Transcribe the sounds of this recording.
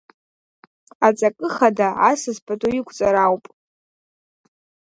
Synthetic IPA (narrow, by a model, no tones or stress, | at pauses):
at͡sʼakʼɨχadaasɨzpʰatʼoikʷʰʼt͡sʼaɾawpʼ